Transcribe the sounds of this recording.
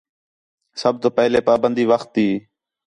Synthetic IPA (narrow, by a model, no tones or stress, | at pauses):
səb̚t̪oːpɛɦleːpaːbənd̪iːʋəxt̪ːiː